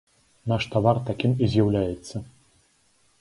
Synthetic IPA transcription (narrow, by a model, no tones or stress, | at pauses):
naʂt̪avart̪akʲimizʲjawlʲajɛt̪sːɐ